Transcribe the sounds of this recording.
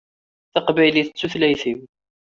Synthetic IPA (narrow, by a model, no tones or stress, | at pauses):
θəqbæjliθət͡sːuθlæjθim